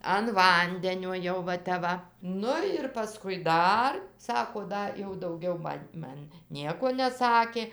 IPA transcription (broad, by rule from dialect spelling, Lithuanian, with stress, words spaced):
ɐn ˈʋɐnʲdʲɛnʲoː ˈjɛʊ ʋɐ ˈtʲɛp ˈʋɐ ˈnʊ ɪr pɐˈskʊɪ ˈdɐr ˈsɑːkoː ˈdɐ jɛʊ dɐʊˈɡʲɛʊ ˈmɐnʲ ˈmɐn ˈnʲiɛkoː nʲɛˈsɑːkʲeː